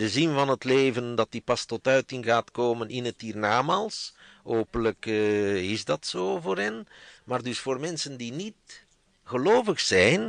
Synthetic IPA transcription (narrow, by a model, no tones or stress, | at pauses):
dəzɪnvɑnɦətleːvəndɑtipɑstɔtœɥtɪnɣaːtkoːmənʔɪnətiːrnaːmaːlˠsɦoːpənləkːɪzdɑtsoːvoːɾɦɛnmaːrdʏsfoːrmɛnsəndinit | ɣəloːvəxsɛjn